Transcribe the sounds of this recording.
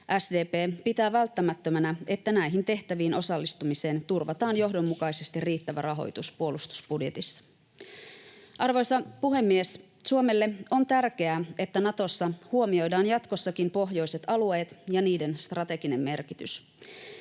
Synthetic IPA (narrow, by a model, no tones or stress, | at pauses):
ʔæsdeːpeːpit̪æːʋælt̪ːæmæt̪ːømænæe̞t̪ːænæjɦint̪e̞ht̪æʋiːno̞sɑlːist̪umise̞ːnt̪urʋɑt̪ɑːnjo̞ɦdo̞mːukɑise̞st̪irriːt̪ːæʋærɑɦo̞̰jt̪uspuo̞lust̪u̥sbudje̞t̪isːɑ̥ | ʔɑrʋo̞jsɑpuɦe̞mːies | suome̞lːeo̞nt̪ærk̟e̞æe̞t̪ːænɑt̪o̞sːɑhuomio̞jdɑːnjɑt̪ko̞sːɑkimpo̞ɦjo̞jse̞t̪ɑlue̞ːt̪jɑniːde̞nst̪rɑt̪e̞ɡine̞mːe̞rkit̪ys